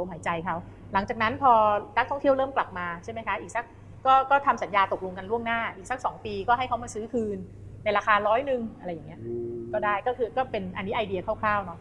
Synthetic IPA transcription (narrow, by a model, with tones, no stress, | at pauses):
o˧mɦaː˩˦jt͡ɕa˧jkʰa˦˥˩w | la˩˦ŋt͡ɕaː˨˩na˦˥npʰɔː˧na˦˥k̚t̪ʰɔ˥˩ŋt̪i˥˩wɾɤː˥˩mkla˨˩p̚maː˧t͡ɕʰa˥˩ma˦˥jkʰa˦˥ʔiː˨˩k̚sa˦˥k̚ː | ɔː˥˩kɔː˥˩t̪ʰa˧msa˩˦njaː˧t̪o˨˩k̚lo˧ŋka˧nɾu˥˩əŋnaː˥˩ʔiː˨˩k̚sa˦˥k̚sɔː˩˦ŋpiː˧kɔː˥˩ɦa˥˩jkʰa˦˥wmaː˧sɯː˦˥kʰɯː˧nː | a˧jɾaː˧kʰaː˧ɾɔː˦˥jnɯ˨˩ŋʔa˧ɾa˧jːa˨˩ŋi˦˥ɐkɔː˥˩daː˥˩jkɔː˥˩kʰɯː˧kɔː˥˩pe˧nʔa˧nːi˦˥ʔaː˧jdi˧ɐkʰaː˥˩wkʰlaː˥˩wnɔ˦˥